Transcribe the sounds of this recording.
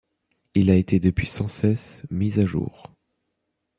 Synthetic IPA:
ilaet̪ed̪əpɥisɑ̃sɛsmizaʒṵːʁ

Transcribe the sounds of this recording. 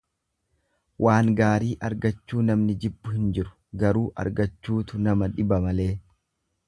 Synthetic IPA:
wʔaːŋɡaːɾiːʔɐɾɡɐt͡ʃːuːnɐmnɪd͡ʒɪbːʊhɪnd͡ʒɪɾʊ̥ɡɐɾuːʔɐ̰ɾɡɐt͡ʃːuːt̪ʊnɐmɐᶑɪbɐmɐle̞ː

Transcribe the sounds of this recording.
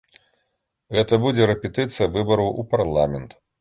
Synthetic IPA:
ɣɛt̪ɐbud͡zʲɛɾɛpʲɛt̪ɨt̪sɨjɐvɨbɐɾɐwuparlˠamʲɛnt̪

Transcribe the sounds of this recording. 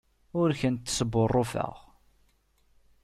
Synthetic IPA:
ʊɾçənt̪ːsəbːʊrˤːʊfə̰ʁ

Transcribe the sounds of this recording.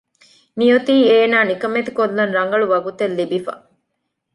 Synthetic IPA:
nijot̪iːeːnaːnikɐmet̪i̥kolːɐnɾɐŋɡɐɭuʋɐɡut̪elːibifɐ̰

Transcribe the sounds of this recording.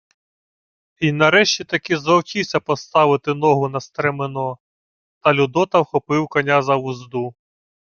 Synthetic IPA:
inɐɾɛʃt͡ʃʲit̪ɐkizɐwkʲisʲɐpɔst̪ɑʋɪt̪ɪnɔɦʊnɐst̪ɾɛmenɔ | t̪ɐlʲʊd̪ɔt̪ɐwxɔpɪwkɔnʲazɐʋʊzd̪u

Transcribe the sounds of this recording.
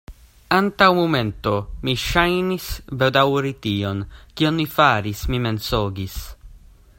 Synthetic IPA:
ant̪awmument̪omiʃajnisbed̪awɾit̪iːonkionmifaːɾismimensoːɡis

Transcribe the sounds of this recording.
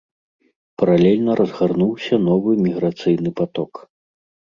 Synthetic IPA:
pɐɾalʲɛlʲnɐɾʔɐzɣarnuwsʲɐn̪ɔvɨmʲiɣɾat̪sɨjnɨpat̪ɔk

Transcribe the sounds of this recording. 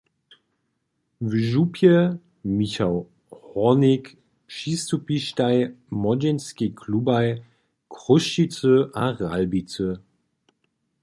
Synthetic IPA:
vəʒupʰjə | miçal | hɔnɪk | ʃistupiʃtaɪmɔd͡ʒɛnskikʰlubaɪ | kʁʊʃit͡səʔaʁalbit͡sə

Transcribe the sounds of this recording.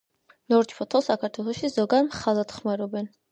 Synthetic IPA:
nɔɾt͡ʃʰpʰɔt̪ʰɔlˠsakʰaɾt̪ʰwɛlˠɔʃizɔɡad̪mχalˠad̪χmaɾɔbɛn

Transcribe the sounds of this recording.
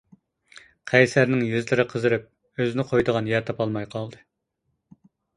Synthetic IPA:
qʰɛjsæɾnɪŋjyzlɪɾɪqʰəzɨɾɨp̚ | øzɪnɪqʰojd̪əʁɑnjɛɾt̪ʰɑpɑlˠmɑjqʰɑlˠd̪ɨ

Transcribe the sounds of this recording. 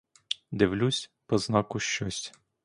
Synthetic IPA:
d̪ɪwlʲusʲpɔznɑkʊʃt͡ʃɔsʲ

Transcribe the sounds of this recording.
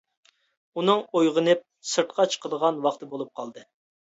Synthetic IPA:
unɨŋojʁənɨp̚ | sɨɾt̪̚qʰɑt͡ʃʰə̥qʰəd̪əʁɑnwɑχt̪ɨbolˠup̚qʰɑlˠd̪ɨ

